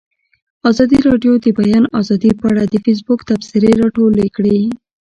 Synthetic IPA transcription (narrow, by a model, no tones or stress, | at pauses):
ɑzɑd̪iɾɑɖjod̪əbajɑnɑzɑd̪ipəaɽad̪əfis̬bʊkt̪afsɪɾeɾɑʈolekɽe